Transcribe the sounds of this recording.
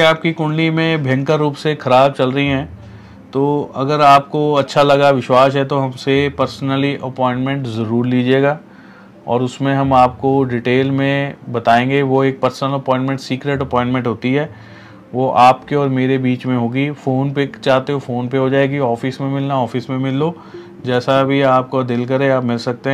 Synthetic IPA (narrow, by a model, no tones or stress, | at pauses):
aːp̚kikʊ̃ɳɖlimẽbʱɛ̃ŋkəɾːuːpsexʰɐɾaːb̚t͡ʃɐlɾəɦiɦɛ̃ː | t̪oːɐɡəɾaːp̚koɐtːʃʰalɐɡaʋɪʃwaːs̬ɦɛt̪oɦɐmsepɐɾsnəliʔɐpɔ̃ːɪ̃ɳʈmɛ̃ɳʈzɐɾuːɾliːd͡ʒeːɡaː | ɔ̰ːɾʊsmẽɦɐmaːp̚koɖɪʈeːlmẽbɐt̪aːẽːŋɡeʋoeːk̚pɐɾsənəlɐpɔ̃ːɪ̃ɳʈmɛ̃ɳʈsiːkɾeːʈɐpɔ̃ːɪ̃ɳʈmɛ̃ɳʈɦoːt̪iɦɛː | ʋoʔaːpkeɔːɾmeːɾebiːt͡ʃmẽɦoːɡifoːnpet͡ʃaːɦt̪eɦofoːnpeɦod͡ʒaːeɡiɔːfismẽmɪlnaɔːfɪsmẽmɪlːoː | d͡ʒɛːsabʱiaːp̚kod̪ɪlkɐɾẽaːpmɪlsɐk̚t̪eɦɛ̃